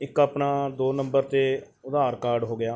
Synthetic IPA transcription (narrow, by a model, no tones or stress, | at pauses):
ɪkaːpnaːd̪oːnəmbəɾt̪eː | ʊd̪aːɾkaːɾɖɦoːɡɪjaː